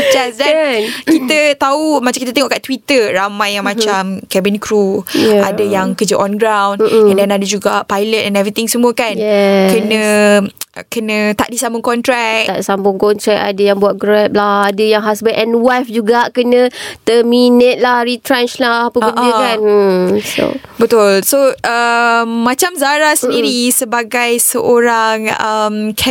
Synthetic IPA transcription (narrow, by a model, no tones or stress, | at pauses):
d͡ʒasdɛnkit̪ət̪aumat͡ʃamkit̪ət̪eŋɔʔkaʔt̪wit̪əramãjːaŋmãt͡ʃamkɛbinkɾuadəjaŋkəd͡ʒəʔɔnɡɾawn̩m̩ɛ̃dɛnadad͡ʒuɡapajlət̪̚ɛnɛvɾit̪ɪŋsəmũəkanjɛkənə̃ | kənə̃t̪a̰ʔdisambʊŋkɔnt̪ɾɛk̚t̪a̰ʔdisambʊŋkɔnt̪ɾɛk̚a̰dəjaŋbuat̪̚ɡɾɛp̚lahadəjaŋɦasbənʔɛnwajfd͡ʒuɡaʔkənə̃t̪əminət̪̚lahɾit̪ɾɛnt͡ʃlahapəbəndiəkanso̰bət̪ʊlsoʔəmːãt͡ʃamzaɾasəəndiɾisəbaɡajsəʔoɾaŋəmkʰɛ